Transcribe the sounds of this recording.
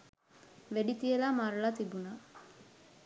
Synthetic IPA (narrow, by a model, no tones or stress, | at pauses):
ʋeɖit̪ijelaːmaːɾulaːt̪ibunaː